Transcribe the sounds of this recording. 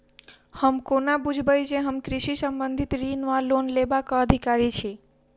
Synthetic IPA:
həmkonabud͡ʒʱbəjd͡ʒeɦəmkɾɪʃisəmbənd̪ʱit̪ɾinʋalonlebakaəd̪ʱikaɾit͡ʃʰe

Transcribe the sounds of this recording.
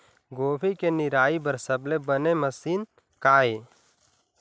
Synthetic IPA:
ɡoːbʰikenɪɾaːibəɾsəblebəneməsiːn | kaːe

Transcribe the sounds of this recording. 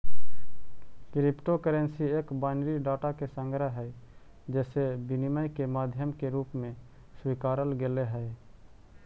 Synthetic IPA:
kɾɪpʈokəɾə̃nsieːkbaːɪnɾiɖaːʈakesə̃ŋɡɾəɦɛ | d͡ʒɛːsebɪniməjkemaːd̪ʱjəmkeɾuːpmẽ | swikaːɾəlɡeleɦɛː

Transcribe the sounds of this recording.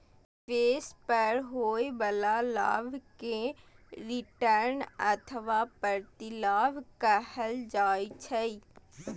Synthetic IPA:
peːspəɾɦoːebəlala̰ːʋkeɾɪʈəɾnə̰t̪ʰəʋapəɾt̪ilaːʋkəhəld͡ʒaːjt͡ʃʰəi

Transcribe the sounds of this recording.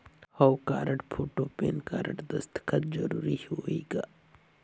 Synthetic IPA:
hɐwkaːɾəʈpʰoːʈoːpeːnkaːɾə̰ʈd̪ɐst̪kʰət̪̚d͡ʒɐɾuːɾihoːiːɡaː

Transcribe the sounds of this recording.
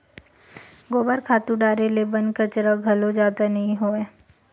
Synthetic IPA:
ɡoːbəɾkʰaːt̪ũɖaːɾelebɐnkət͡ʃɾaɡʱɐlod͡ʒaːd̪anɐɦĩɦoeː

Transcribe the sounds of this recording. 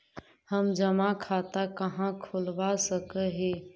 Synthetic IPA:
həmd͡ʒəmakʰaːt̪akəɦãkʰʊlʋasəkəɦeː

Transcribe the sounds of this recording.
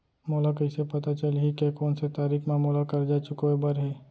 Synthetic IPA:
moːlakɐɪsepɐt̪at͡ʃɐlɦikekɔːnset̪aːɾiːkʰmaːmuːlakɐɾd͡ʒaːt͡ʃʊkoebɐɾɦɛː

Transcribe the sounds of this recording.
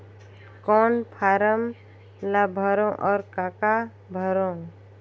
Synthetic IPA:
kɔːnpʰaːɾəm | labʱəɾõʔɔːɾkaːka | bʱəɾõ

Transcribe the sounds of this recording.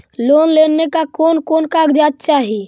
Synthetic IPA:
lonlenːekakoːnkoːnkaɡd͡ʒat̪̚t͡ʃaɦi

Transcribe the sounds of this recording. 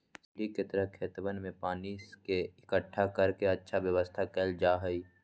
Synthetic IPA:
ɪsliket̪əɾəkʰeːt̪ʋənmẽpaːnikeɪkəʈʰːakəɾkeɐtːʃʰaʋjəʋəst̪ʰakeːld͡ʒaːɦəiː

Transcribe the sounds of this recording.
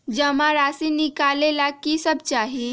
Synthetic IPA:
d͡ʒəmaɾaːsinɪkaːlelakisəb̚t͡ʃaːɦi

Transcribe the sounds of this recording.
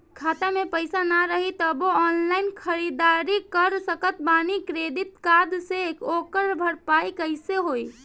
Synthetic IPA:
kʰat̪amepəjsanaɾəɦit̪əboɔnlaɪnkʰəɾid̪aɾikəɾsəkət̪banikɾed̪it̪̚kad̪sekokəɾbʱəɾpajkəɪseɦoj

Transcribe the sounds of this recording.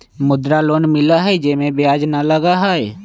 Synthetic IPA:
mʊd̪ɾaloːnmɪlaɦɛd͡ʒeːmẽbjaːd͡ʒnaləɡaɦaɛ

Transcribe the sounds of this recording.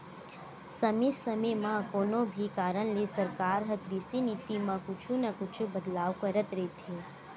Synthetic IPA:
sɐmisɐmemãkoːnõbʱikaːɾəɽ̃lesɐɾkaːɾɦɐkɾisinit̪imãkʊt͡ʃʰunɐkʊt͡ʃʰubɐd̪laːʋkəɾət̪ɾɛt̪ʰeː

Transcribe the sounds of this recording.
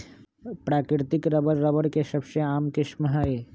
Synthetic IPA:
pɾaːkɾɪɾt̪ɪkɾəbəɾːəbəɽkeʃɐbʃeaːmkɪʃməɦae

